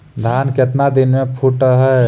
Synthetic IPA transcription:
d̪ʱaːnkɪt̪nad̪ɪnmẽpʰuʈəɦɛ

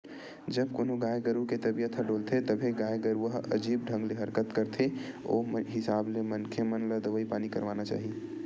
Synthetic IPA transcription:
d͡ʒəbkonõɡaːjɡəɾuket̪ɐbijət̪ʰəɖoːlt̪ʰet̪ɐbʱeɡaːjɡəɾuəɦɐ̰d͡ʒiːb̚ɖʱə̃ŋɡleɦɐɾkət̪kəɾt̪ʰeo̰ːmɦɪsaːblemənkʰemənləd̪əʋəipaːnikɐɾʋaːnat͡ʃa̰ːɦi

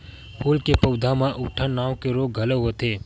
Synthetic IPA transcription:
pʰuːlkepəwd̪ʱãmãʔʊʈʰanaːwkeɾoːɡɡʱələɦot̪eː

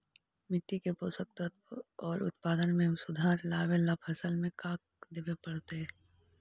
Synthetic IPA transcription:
mɪt̪ːikepoːsək̚t̪ət̪ɔːɾʊ̰t̪̚paːd̪ənmẽsʊd̪ʱaːɾlaːʋelabhɐsəlmẽkaːk̚ | d̪ebepɐɽt̪eɦɛ

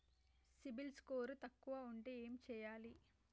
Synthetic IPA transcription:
sibilskoːɾut̪ɐkːuʋaːuɳʈeːeːmit͡ʃɛːjaːli

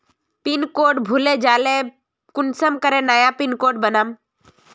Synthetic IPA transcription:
pinkoːʈbʱuled͡ʒaːle | kʊnsəmkəɾẽːnaːjaːpinkoːɖbənəm

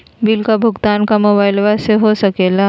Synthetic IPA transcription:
bɪlkabʱʊɡt̪aːnkamoːbaːɪlʋaseɦosɐkeːla

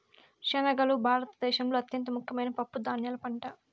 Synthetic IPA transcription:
ʃɛnɐɡɐlubʱaːɾɐt̪ɐd̪ɛːʃɐmloːɐt̪jɐnt̪ɐmukʰjɐmɐjnɐpɐpːud̪aːnjɐːlɐpɐɳʈa

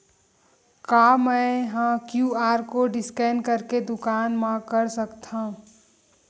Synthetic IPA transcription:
kaːmɛ̃ɦãkjuːaːɾkoɖɪskɛːnkəɾked̪ʊkaːnmãkəɾsəkt̪ã

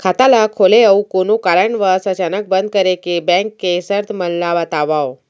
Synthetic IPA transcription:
kʰat̪alakʰoleəwkonukaɾəɳʋəsət͡ɕanək̚bənd̪̚kəɾekebɛ̃ŋkːesəɾt̪ʰmənlaʋat̪aʋaw

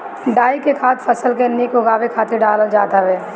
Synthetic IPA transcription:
ɖaːikekʰaːt̪fʰəsəlkenɪkoɡaːʋekʰaːt̪eɾɖaːləld͡ʒaːt̪aʋeː

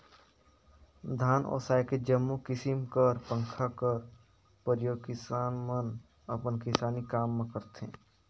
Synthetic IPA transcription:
d̪ʱaːnɔ̰ːsaːjked͡ʒəmːukɪsɪmkəɾpə̃ŋkʰakəɾ | pəɾjoːɡkɪsaːnmən | əpənkɪsaːnikaːmːẽkəɾt̪ḛ̃ː

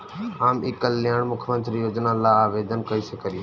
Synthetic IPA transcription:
aːmɪkəlːijãːmʊkʰmə̃nt̪ɾijoːd͡ʒnalaaːʋeːd̪ənkɐisekʰəɾĩ

